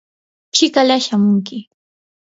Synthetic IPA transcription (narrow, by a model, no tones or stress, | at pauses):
t͡ʃɪkalaʃamʊŋkɪ